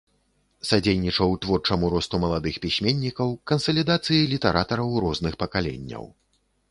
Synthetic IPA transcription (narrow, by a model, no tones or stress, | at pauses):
sad͡zʲejnʲit͡ʂɐwt̪vɔrt͡ʂɐmuɾɔst̪umɐlˠad̪ɨxpʲisʲmʲenʲːikɐwkɐnsɐlʲid̪at̪sɨjilʲit̪ɛɾʔat̪ɐɾɐwɾɔznɨxpɐkalʲḛnʲːɐ̰w